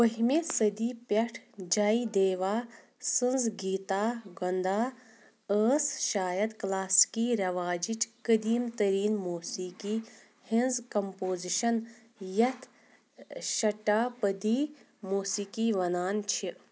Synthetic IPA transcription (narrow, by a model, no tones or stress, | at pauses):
ʋɐɦimesɐd̪iːpʲɐʈʰd͡ʒaːid̪eːʋaː | sɨnzɡiːt̪aːɡɐnd̪aː | əːsʃaːjɐd̪klaːskiːɾɐʋaːd͡ʒit͡ʃkəd̪iːmt̪ɐɾiːnmuːsiːkiː | hinzkɐmpoːziʃɐn | jɐt̪ʰ | ʃɐʈaːpəd̪iː | muːsiːkiːʋɐnaːnt͡ʃʰi